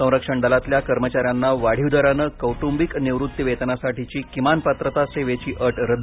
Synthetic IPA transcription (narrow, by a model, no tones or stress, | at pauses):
ə̃w̃ɾəkʂəɳɖalat̪ljakəɾmət͡ɕaɾjanːaʋaɽ̤iwd̪ʱəɾanəkəwʈumbikneʋɾut̪ːiʋet̪nasaʈit͡ɕiːkimanpət̪ɾət̪aseʋet͡ɕiːʔəʈɾəd̪